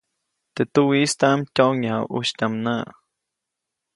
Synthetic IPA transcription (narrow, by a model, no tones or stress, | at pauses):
t̪et̪uwist̪aʔmt̪ʲoʔŋahawṵʃt̪ʲamnaʔ